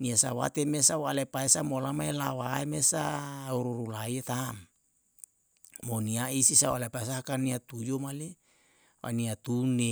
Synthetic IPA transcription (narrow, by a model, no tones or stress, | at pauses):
niasawa̰t̪emesawalepaesamolamaelawaemesauɾuɾulaiet̪am | oniaisisaualepas̬aakaniat̪ujomale | wa̰niat̪une